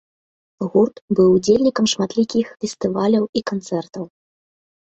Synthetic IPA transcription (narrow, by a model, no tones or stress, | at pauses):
ɣurt̪bɨwud͡zʲelʲnʲikɐmʂmat̪lʲikʲixfʲɛst̪ɨvalʲɐwikant̪sɛrt̪ɐw